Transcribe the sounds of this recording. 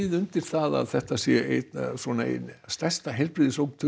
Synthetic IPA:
ðʏnt̪ɪɾ̥θaða̰ðθɛht̪asjɛet̪sɔnaḛnst̪ɛst̪aɦejlpɾɪːðɪsowkt̪ʰʏ

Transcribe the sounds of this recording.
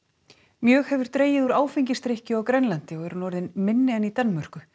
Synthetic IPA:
mjœːxhɛvʏɾ̥t̪ɾeːjɪðuɾaːwfɪɲcɪst̪ɾehcɪawkɾɛnlant̪ɪɔɣɛɾʏnɔɾðɪnmɪnːɪanit̪anmœr̥kʏ

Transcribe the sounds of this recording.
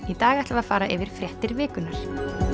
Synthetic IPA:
it̪aːɣɛht̪lvaðfaːɾaʔɪvɪɾ̥fɾjɛht̪ɪɾvɪːkʏnːaɾ̥

